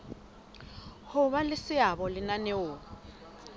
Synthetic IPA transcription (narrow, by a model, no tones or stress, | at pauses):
hʊβalɪsɪabɔlɪnanɛʊː